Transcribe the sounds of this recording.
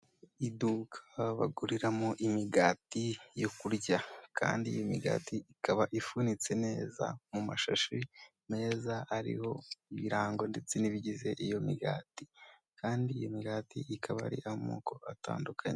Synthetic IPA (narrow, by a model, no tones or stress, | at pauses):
idukʰḁβa̰ɡuɾiɾamoʔimiɡaːtijo̞kuɾɟakʰa̰ːndiːjo̞miɡa̰ːtiikaβaʔifunit͡se̞ne̞ːza̰mumaʃaʃi | ne̞ːzaaɾḭho̞iβiɾaːŋɡo̞nde̞t͡seniβiɟize̞ʔijo̞miɡa̰ːtikaːndiːjomiɡaːtḭʔikʰaβaaɾḭʔahomoːko̞ʔata̰ːndukʰaɲe